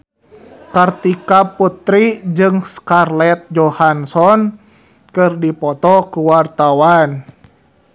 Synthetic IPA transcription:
kart̪ikaput̪ɾid͡ʒɨŋskarlɛt̪̚d͡ʒɔhansɔn | kɨrdipɔt̪ɔkuwart̪awan

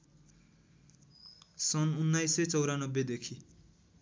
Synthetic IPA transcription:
sʌnunːajset͡sʌwɾanʌbːjed̪ekʰi

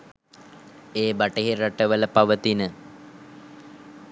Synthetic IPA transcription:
eːbaʈəɦeraʈəʋələpaʋət̪inə

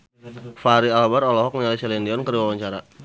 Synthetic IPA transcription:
faɾialbaɾɔlɔɦɔk̚məɲalisɛlɛndiɔnkəriwawaɲt͡ʃaɾa

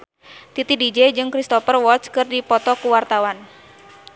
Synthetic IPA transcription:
t̪it̪idid͡ʒɛd͡ʒɨŋkɾist̪ɔfərwɔt̪skɨrdipɔt̪ɔkuwart̪awan

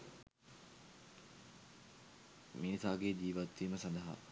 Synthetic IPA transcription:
minisaːɡeːd͡ʒiːʋat̪ʋiːməsɐnd̪ɐɦa̰

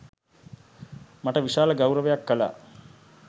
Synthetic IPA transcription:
maʈəʋiʃaːləɡawɾəʋejakːəla̰ː

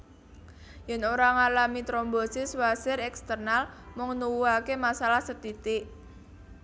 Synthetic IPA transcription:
jɛnoɾaŋalamit̪ɾɔmbɔsɪswasɪɾɛkst̪ərnalmʊŋnuwuakemasalahsət̪it̪ɪʔ

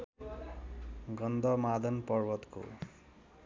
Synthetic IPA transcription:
ɡʌnd̪ʌmad̪ʱʌnpʌrbʌt̪ko̰

